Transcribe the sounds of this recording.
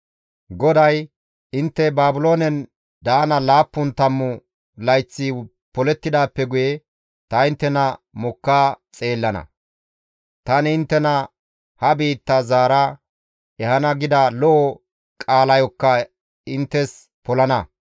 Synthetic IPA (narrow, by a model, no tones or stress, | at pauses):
ɡɔd̪ɐj | ɪnt̪ːɛbaːbʊlo̞ːnɛn | d̪aːnɐlaːpːʊnt̪ɐmːʊ | lɐjt͡sːɪ | pɔlɛt̪ːɪd̪aːpːɛɡʊje | t̪ɐɪnt̪ːɛnɐmɔkːaːt͡sʼe̞ːlːɐnɐ̰ | t̪ɐnɪnt̪ːɛnɐ | hɐbiːt̪ːɐzaːɾɐ | ɛhɐnɐɡɪd̪ɐlɔʔɔ | kʼaːlɐjɔkːɐ | ɪnt̪ːɛs | pɔlɐnɐ